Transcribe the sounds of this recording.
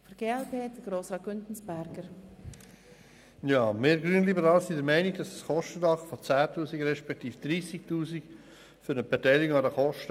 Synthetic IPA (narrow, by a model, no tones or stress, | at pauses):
fɔɾɡ̥eːɛlpeːdəɡ̥ɾoːsʁɑːtɡ̥ʏntn̩sb̥æɾɡəɾ | jɑːmɪːɾɡɾyənlibəɾɑːlsindəɾmɛɪniɡd̥ɑsəsχɔʃtədɑχfɔt͡sæːtuːsiɡɾɛʃpɛk̚t̪iːfd̥̪ɾiːsiktuːsik | fyɾəbɛtɛɪlɡoŋɑdəχɔʃtə